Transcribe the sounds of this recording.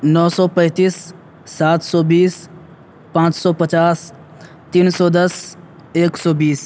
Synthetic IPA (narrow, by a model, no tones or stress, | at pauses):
nɔːsɔːpə̃ːt̪iːsː | aːt̪ʰsɔːbiːs | pãːt͡ʃsɔːpət͡ʃaːs | t̪iːnsɔːd̪ɐs | eːksɔːbiːs